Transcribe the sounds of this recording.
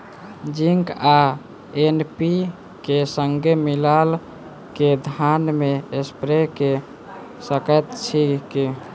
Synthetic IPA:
d͡ʒiŋka | enpi | kesəŋɡʱemilal | ked̪ʱanmeespɾeke | səkət̪t͡ʃʰiki

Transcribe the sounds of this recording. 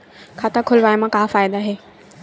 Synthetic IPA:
kʰaːt̪akʰʊlʋaːjmãkaːfaːjd̪aɦeː

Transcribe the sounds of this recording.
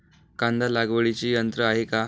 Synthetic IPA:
kãnd̪alaɡʋəɭit͡ɕiːjənt̪ɾəaɦeka

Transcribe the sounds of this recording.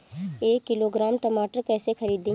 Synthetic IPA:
eːkːɪloɡɾaːmʈəmaːʈəɾkɛːsexʰɐɾiːd̪ĩ

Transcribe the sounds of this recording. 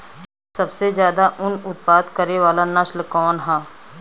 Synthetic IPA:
sɐbsezjaːd̪aʔʊnʊt̪paːd̪kɐɾeʋaːlanəʃlkɔːnɦãː

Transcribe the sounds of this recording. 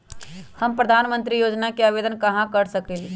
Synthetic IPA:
hɐmpɾɐd̪ʱaːnmə̃nt̪ɾijoːd͡ʒnakeaːʋeːd̪ənkɐɦãkɐɾsɐkẽl

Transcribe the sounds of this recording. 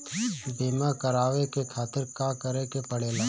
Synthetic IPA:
beːmakəɾaːʋekekʰaːt̪ɪɾkãːkəɾekepəɽeːlaː

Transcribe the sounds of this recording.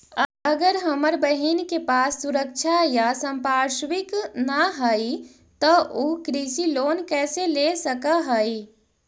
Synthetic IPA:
əəɡəɾɦɐməɾbəɦinkepaːsːʊɾəkʃʰajasə̃mpaːʃwɪknaɦai | t̪ɔʔoːkɾisiloːnkɛːselesəkaɦai

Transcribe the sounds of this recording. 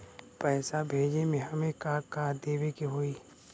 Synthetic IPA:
pɛːsabʱeːd͡ʒemẽɦɐmẽkakaːd̪eːwekiɦoːi

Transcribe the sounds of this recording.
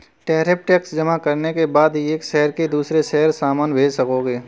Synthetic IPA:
ʈɛːɾep̚ʈɛːksd͡ʒɐmakɐɾnekebaːd̪ɦieːkʃɛɦəɾked̪uːsɾeʃɛɦəɾsaːmaːnbʱeːd͡ʒsɐkoːɡeː

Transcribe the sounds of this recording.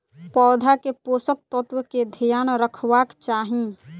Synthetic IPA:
pɔːd̪ʱakeposək̚t̪ət̪wəked̪ʱijaːnɾəkʰʋakt͡ʃaːɦĩ

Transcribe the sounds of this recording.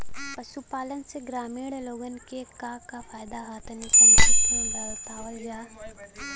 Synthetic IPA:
pɐʃupaːlənseɡɾaːmiːɽloːɡənkekakafʰaːjd̪aɦaːt̪ʰnisɐ̃mamẽɖɐlt̪aːʋəlɡaːɦ

